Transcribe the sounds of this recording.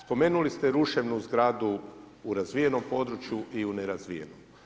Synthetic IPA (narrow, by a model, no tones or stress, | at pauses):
spo̞me̞ːnulist̪eɾuʃe̞ʋnuzɡɾaːd̪uː | ɾazʋije̞no̞mpo̞ːd̪ɾut͡ʃjuʔiuneɾazʋijḛnom